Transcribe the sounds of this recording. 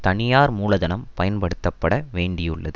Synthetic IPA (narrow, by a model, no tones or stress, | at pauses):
t̪ɐnɪjaːɾmuːlɐðɐnɐmpɐjɐnpɐɽɯt̪ːɐpːɐɽɐʋeːɳɖɪjɯ̰ɭːɐ̰ðɯ